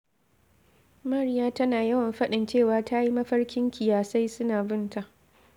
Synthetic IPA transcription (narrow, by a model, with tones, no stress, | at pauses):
mɐ˦ɾɪ˦jaː˦tɐ˦naː˨jɐ˦wɐ˨mɸɐ˦ɗɪ˨nt͡ʃeː˦˨waː˨tʰaː˦ji˦mɐ˦ɸɐ˦rkʲɪ˦ŋkʲɪ˨jaː˨sa˦jsʊ˦naː˨bɪ˦nta˨ʔ